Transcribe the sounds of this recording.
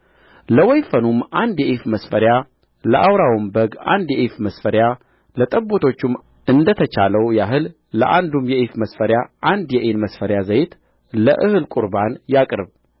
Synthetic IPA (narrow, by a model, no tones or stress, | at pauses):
ləwɔjfənumʔand̪jɛʔifməsfəɾja | ləʔawɾawumbəɡa̰nd̪jɛʔifməsfəɾja | lət̪ʼəbot̪ʰo̞t͡ʃːum | ʔɨnd̪ət̪ʰət͡ʃaləwjaɦɨlː | ə̰ʔand̪umjɛʔifməsfəɾjaʔand̪jɛʔenməsfəɾjazəjɪt̪ | ləʔɨhɨlkʼuɾbanjakʼɾɨb